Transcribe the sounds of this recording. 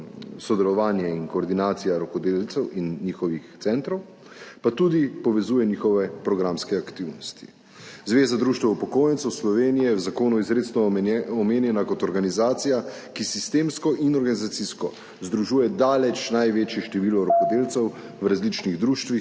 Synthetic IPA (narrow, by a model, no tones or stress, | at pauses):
sɔd̪ɛlɔʋaːnjɛinkɔːɾd̪inaːt̪sijaɾɔkɔd̪elt̪sɛwinːiːxɔʋixt̪sɛnt̪ɾɔw | pat̪uːd̪ipɔʋɛzuːjɛniːxɔʋɛpɾɔɡɾamskɛakt̪iwnɔst̪i̥ | zʋeːzad̪ɾuːʃt̪ʋɛupɔkoːjɛnt̪sɛwslɔʋeːnijɛwzakoːnuizɾeːt̪snɔɔmeːnjɛnakɔt̪ɔɾɡanizaːt̪sija | kisist̪eːmskɔʔinɔɾɡanizat̪siskɔ | zd̪ɾuʒuːjɛd̪aːlɛt͡ʃnajʋeːt͡ʃjɛʃt̪ɛʋilɔɾɔkɔd̪eːlt̪sɛw | wɾazlit͡ʃniɣd̪ɾuːʃt̪ʋi